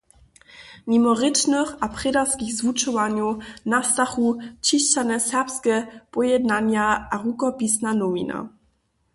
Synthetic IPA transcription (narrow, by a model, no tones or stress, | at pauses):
mimɔʁɪtnəxapʁ̥ɛdaskixzvut͡ʃɔvaɲjɔnast̪axut͡ɕiɕt͡ɕanɛsɛpskɛpɔjɛd̪naɲjaaʁukɔpisnanɔmina̰